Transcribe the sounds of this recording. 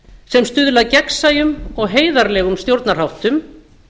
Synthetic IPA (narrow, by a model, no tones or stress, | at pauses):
sɛmst̪ʏːðlaðcɛksajʏmɔɣɦeːjðaɾlɛːɣʏmst̪jowɾt̪nar̥hawht̪ʏm